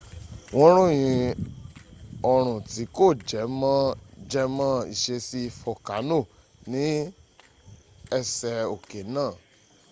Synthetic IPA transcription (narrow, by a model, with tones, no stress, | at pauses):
w̃ɔ̃˧˦ɾ̃ũ˦˨j̃ĩ˧ | ɔ˨ɾ̃ũ˨ti˨˦ko˦˨d͡ʒɛ˨˦mã˦d͡ʒɛ˧˦mã˦ḭ˦˨ʃe˧si˦i˧fɔ˧˨ka˨˦no˦˨ | nĩ˨˦ | ɛ˧˨sɛ˧o˨ke˨nãː˦˨